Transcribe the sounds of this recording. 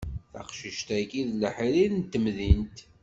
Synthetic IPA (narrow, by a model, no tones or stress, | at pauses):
θə̰qʃəʃt̪ækiðləħiɾiðnt̪ːəmðint̪